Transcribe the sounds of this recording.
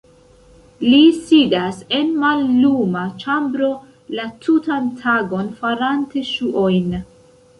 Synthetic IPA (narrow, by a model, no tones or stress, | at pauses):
lisidase̞nmalːumat͡ʃambɾo̞ | latʰutantʰaɡo̞nfaɾante̞ʃuʔo̞jn